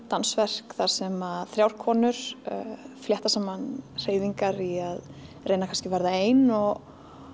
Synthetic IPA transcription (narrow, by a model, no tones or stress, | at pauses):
t̪ansvɛr̥kθaɾ̥sɛmaθɾjaːwɾ̥kʰɔːnʏɾ̥ | fljɛht̪asaːmanr̥eːjðiŋkaɾiað | rejnakʰanscɪvɛɾðaeːjnɔɣ